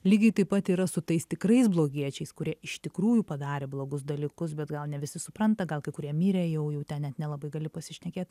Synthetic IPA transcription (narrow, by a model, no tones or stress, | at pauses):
lʲiːɡʲɐɪt̪ɐɪpɐt̪iːɾɐsʊt̪ɐɪst̪ʲɪkɾɐɪsblˠoːɡʲiɛt͡ʃʲɛɪskʊɾʲiɛɪʃt̪ʲɪkɾuːjupɐd̪ɑːɾʲeːblˠoːɡʊsd̪ɐlʲikʊsbʲɛt̪ɡɐlˠnʲɛʋʲɪsʲɪsʊpɾɐnt̪ɐɡɐlˠkɐɪkʊɾʲiɛmʲiːɾʲeːjɛʊjɛʊt̪ʲɛnnʲɛt̪nʲɛlˠɐbɐɪɡɐlʲɪpɐsʲɪʃʲnʲɛkʲeːt̪